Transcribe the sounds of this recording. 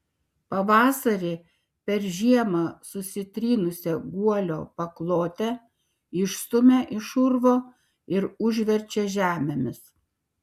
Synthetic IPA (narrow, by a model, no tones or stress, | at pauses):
pɐʋɑːsɐɾʲeː | pʲɛɾʒʲiɛmɑːsʊsʲɪt̪ʲɾʲiːnʊsʲɛɡuɔlʲo̰ːpɐklˠoːt̪ʲɛ | ɪʃst̪ʊmʲeʔɪʃʊɾʋoː | ɪɾʊʒʲʋʲɛɾʲt͡ʃʲɛʒʲæːmʲɛmʲɪs